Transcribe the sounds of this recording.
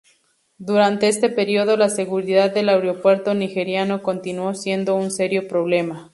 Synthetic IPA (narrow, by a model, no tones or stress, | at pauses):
d̪uɾant̪e̞est̪e̞peɾioðo̞lase̞ɣuɾiðaðːe̞laeɾeopwe̞ɾt̪o̞nixe̞ɾjano̞ko̞nt̪inwo̞sje̞nd̪o̞unse̞ɾjo̞pɾo̞β̞le̞ma